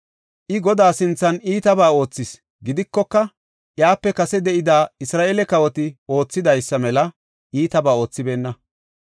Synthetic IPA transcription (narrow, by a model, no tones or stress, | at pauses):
ʔɪɡɔd̪aːsɪnt͡sːɐniːt̪ɐbaːo̞ːt͡sːɪs | ɡɪd̪ɪkːɔkːɐ | ʔjaːpːɛkɐsɛd̪ɛʔɪd̪aːɪsɾaːʔeːlɛkɐwɔt̪ɪo̞ːt͡sːɪd̪ɐjsːɐmɛlɐ | ʔiːt̪ɐbaːo̞ːt͡sːɪbe̞ːnːɐ